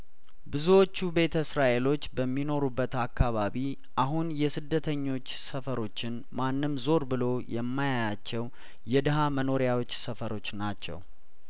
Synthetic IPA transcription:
bɨzuwo̞t͡ʃːube̞t̪ʰəsɾaʔe̞lo̞t͡ʃːbəmːino̞ɾubːət̪akːaβaβi | ʔaɦunjɛsɨd̪ːət̪ʰəɲːo̞t͡ʃːsəfəɾo̞t͡ʃːɪn | manːɨmzo̞ɾbɨlo̞jɛmːajajat͡ʃːɛw | jɛd̪ɨɦaməno̞ɾjawo̞t͡ʃːsəfəɾo̞t͡ʃːnat͡ʃːɛ̰w

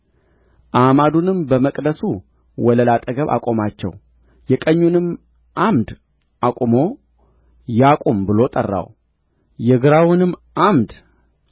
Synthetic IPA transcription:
ʔamad̪unɨmbəməkʼd̪əsu | wɔləlat̪ʼəɡəβa̰kʼo̞mat͡ʃːɛ̰w | jɛkʼəɲːunɨm | ʔamd̪ | ʔakʼumo̞ | jakʼombɨlo̞t̪ʼərːa̰w | jɛɡɨɾawʊnɨmʔamd̪

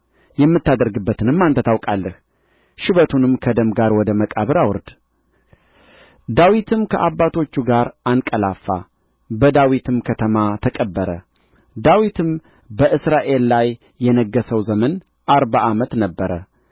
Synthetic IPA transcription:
jɛmːɨt̪ːad̪əɾɡɨbːət̪ʰɨnɨmːant̪ʰət̪ʰawkʼalːəh | ʃɪβət̪ʰunɨmkʰəd̪əmɡaɾwɔd̪əməkʼaβɨɾawɨɾd̪ | d̪awit̪ʰɨmkʰəʔabːat̪ʰo̞t͡ʃːuɡaɾankʼəlafːa̰ | bəd̪awit̪ʰɨmkʰət̪ʰəmat̪ʰəkʼəbːəɾə | d̪awit̪ʰɨm | bəʔɨsɾaʔe̞lːajː | ɛnəɡːəsəwzəmən | ʔaɾbaʔamət̪nəbːəɾə

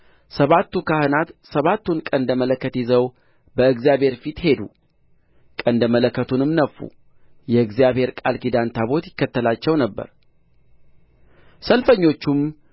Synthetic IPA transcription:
səβat̪ːukahɨnat̪səβat̪ːunkʼənd̪əmələkːət̪jɪzəw | bəɨɡzijabhe̞ɾfit̪he̞d̪u | kʼənd̪əmələkːət̪ʰunɨmnəfːṵ | jɛɨɡzijaβhe̞ɾkʼalkid̪ant̪ʰaβo̞t̪jɪkːət̪ːəlat͡ʃːɛwnəbːə̰ɾ | səlfəɲːo̞t͡ʃːum

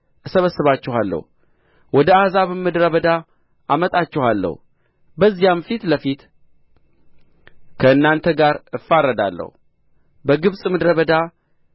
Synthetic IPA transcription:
ɨsəβəsːɨβat͡ʃːɛhalːə̰hu | wɔd̪əazaβɨmːɨd̪ɾəβəd̪a | amət̪ʼat͡ʃːɛhalːə̰h | bəzːijamfit̪ləfit̪ | kʰəɨnːant̪ʰəɡaɾɨfːaɾːəd̪a̰lːə̰hu | bəɡɨβsʼmɨd̪ɾəβəd̪a

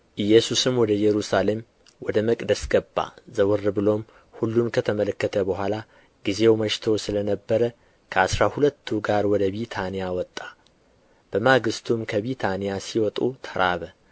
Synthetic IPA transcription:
ʔɨjːɛsusɨmwɔd̪əjɛɾusale̞m | wɔd̪əməkʼd̪əsɡəbːa̰zəwɨrːɨbɨlo̞m | hulːunkʰət̪ʰəmələkːət̪ʰəbəɦʷala | ɡize̞wməʃt̪ʰo̞sɨlənəbːəɾə | kʰəasɾahulət̪ʰːuɡaɾwɔd̪əβit̪ʰanijawɔt̪ʼːḁ | b̥əmaɡɨst̪ʰumkʰəβit̪ʰanijasiwɔt̪ʼut̪ʰəɾʔaβə

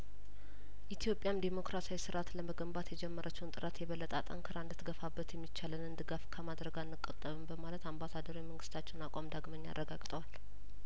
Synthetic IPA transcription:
ʔit̪ʰijo̞pʼjamd̪emo̞kɾasawisɨɾʔat̪ləməɡəmbat̪jɛd͡ʒɛmːəɾʔət͡ʃːɛwnt̪ʼɨɾat̪jɛβəlːət̪ʼat̪ʼə̰ŋkʰɨɾaɨnd̪ɨt̪ɡəfabːət̪jɛmːit͡ʃːalənɨnd̪ɨɡafkʰəmad̪ɾəɡanːɨkʼət̪ʼːəβɨmbəmalət̪ambasad̪əɾojməŋɡɨst̪ʰat͡ʃːɛnakʼamd̪aɡmənːa̰rːəɡaɡt̪ʼəwal

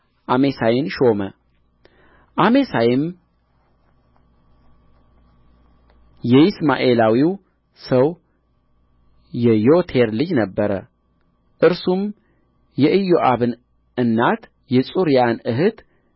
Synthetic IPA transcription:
ʔame̞sajɪnʃo̞mə | ʔame̞sajɪm | jɛɪsma̰ʔe̞lawiw | səw | jɛjot̪ʰeɾlɨd͡ʒnəbːəɾə̰ | ʔɨɾsum | jɛʔɨjo̞ʔaβɨn | ɨnːat̪ | jɛsʼuɾijanɨɦɨt̪

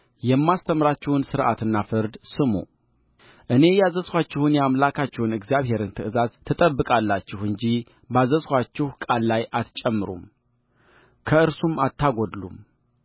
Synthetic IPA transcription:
jɛmːast̪ʰəmɾat͡ʃːɪhʊnsɨɾʔa̰t̪ɨnːafɨɾd̪sɨmo̰ | ʔɨne̞jazəswat͡ʃːɪhunjamlakʰat͡ʃːhunɨɡzjaβhe̞ɾɨnt̪ʰɨʔɨzazt̪ʰːɨt̪ʼəbːɨkʼalːat͡ʃːɪhɨɲd͡ʒi | bazəswʷat͡ʃːɪhkʼalːajʔat̪t͡ʃʼɛmːɨɾṵm | kʰəɨɾsumat̪ʰːaɡod̪lṵm

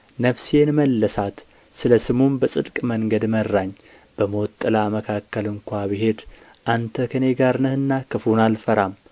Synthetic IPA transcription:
nəfsjenməlːəsat̪ | sɨləsɨmunbəsʼɨd̪kʼməŋɡəd̪mərːaɲː | b̥əmot̪ʼːɨlaməkʰakːəlɨŋkʷaβiɦe̞d̪ | ʔant̪ʰəkʰəne̞ɡaɾnɨhɨnːakʰɨfunalfəɾam

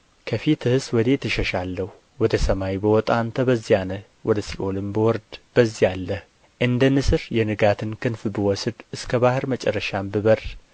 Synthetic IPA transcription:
kʰəfit̪ʰɨhɨswɔd̪e̞t̪ʰːɨʃəʃalːəhu | wɔd̪əsəmawjbəwɔt̪ʼant̪ʰəbəzːijanə | wɔd̪əsilʔolɨmbəwɔɾd̪b̥əzːijalːəh | ʔɨnd̪ənɨsɨɾjɛnɨɡat̪ʰɨnkʰɨnfbɨwɔsd̪ɨskʰəbahɨɾmət͡ʃʼɛrːəʃambɨβər

